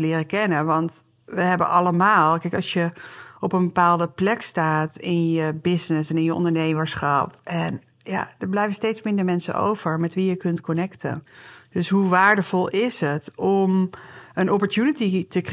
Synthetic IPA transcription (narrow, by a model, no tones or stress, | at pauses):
əlɪːrəkɛnəʋɑnt | ʋəɦɛbə̰ʔɑləmaːlˠkɛɪkɑsjəɔpənbəpaːlˠdəplɛkstaːtɪnjəbɪsnɪsɛnɪnjəʔɔ̰ndəɹnejməɹsχɑpɛn | ja̰dəɹblɛjvənstejtsmɪndəɹmɛnsə̰nʔo̰wv̥əɹmɛtʋijəkɵntkɔnɛktə̰d̥ɵsɦuʋaːɹdəv̥ɔlˠɪsɦətɔmənɔpɔɹtjunətitək